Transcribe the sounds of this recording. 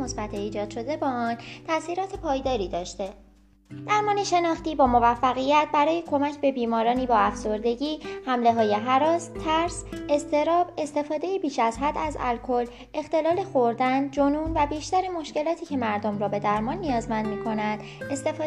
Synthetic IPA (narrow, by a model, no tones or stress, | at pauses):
osbæt̪ʰeiːd͡ʒɒːd̪ʃo̞d̪e̞bɒːɒnt̪ʰæsiːɾɒːt̪ʰepʰɒːjd̪ɒːɾiːd̪ɒːʃt̪e̞ | d̪̥æɾmɒːneʃe̞nɒːxt̪iːbɒːmo̞væfːæɣijæt̪̚ʰbæɾɒːje̞kʰo̞mæcʰbe̞biːmɒːɾɒːniːbɒːæfzo̞ɾd̪e̞ɟiːhæmle̞ɦɒːje̞ɦæɾɒːst̪ʰːæɾse̞st̪ʰe̞ɾɒːbe̞st̪e̞fɒːd̪e̞jibiːʃæzɦæd̪æzæ̰lkʰo̞l | e̞xt̪e̞lɒːle̞xo̞ɾd̪ænd͡ʒonuːnvæbiːʃt̪æɾemo̞ʃce̞lɒːt̪ʰiːcʰe̞mæɾd̪omɾɒːbe̞d̪æɾmɒːnːijɒːzmænd̪miːkʰo̞nænd̪̥ | e̞st̪e̞fɒː